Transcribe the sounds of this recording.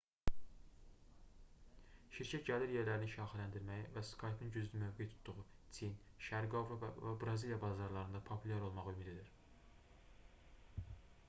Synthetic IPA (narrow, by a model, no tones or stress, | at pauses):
ʃiɾcʰæt̪ɟæliɾjeɾlæɾiniʃɑːxilænd̪iɾmæjivæskʰɑjpʰinɟyzlymøvɡejt̪ʰu̥t̪ʰd̪uʁut͡sʰin | ʃæɾɡovɾovæ̰væbɾɑzilijɑbɑzɑɾlˠɑɾɯnd̪ɑpʰo̞pʰylʲjæɾo̞lˠmɑʁømid̪ed̪iɾ